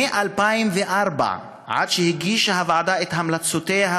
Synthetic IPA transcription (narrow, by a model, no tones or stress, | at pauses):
eʔalpaimveʔaɾba̰ | ʕa̰d̪ʃehiɡiʃahavaʕad̪aet̪hamlat͡sot̪ejɦa